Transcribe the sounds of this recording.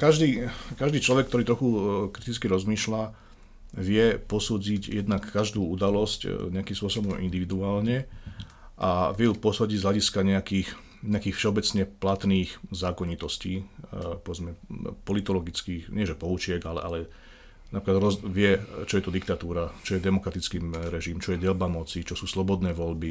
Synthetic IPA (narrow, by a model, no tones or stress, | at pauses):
kaʒd̪iːkaʒd̪iːt͡ʃlɔʋɛk̚t̪ɔɾiːt̪ɾɔxukɾit̪it͡skiɾɔzmiːʃla | ʋɪɛpɔsuːd͡zicjɛd̪nakːaʒd̪uːud̪alɔscɲɛakimspʊɔsɔbɔmʔḭnd̪iʋid̪uaːlɲɛ | ʔaʋɪɛjupɔsuːd͡ʑiɟzɦlʲaɟiskaɲɛakiːx | ɲɛakiːxfʃɛɔbɛt͡sɲɛplat̪niːxzaːkɔɲit̪ɔsciːpɔʋɛd͡zmɛpɔlit̪ɔlɔɡit͡skiːxɲɪɛʒɛpɔut͡ʃɪɛɡalɛ̰ʔalɛ | napɾiklad̪ɾɔzʋɪɛt͡ʃɔjɛt̪ɔd̪ik̚t̪at̪uːɾat͡ʃɔjɛd̪ɛmɔkɾat̪it͡skiːɾɛʒiːmt͡ʃɔjɛd̪ɛlbamɔt͡sit͡ʃɔsuːslɔbɔd̪nɛːʋɔʎbi